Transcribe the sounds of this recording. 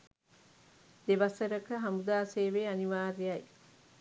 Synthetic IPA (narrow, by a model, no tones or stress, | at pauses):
d̪eʋɐsəɾəkəɦɐmud̪aːseːʋeaniʋaːɾijɐj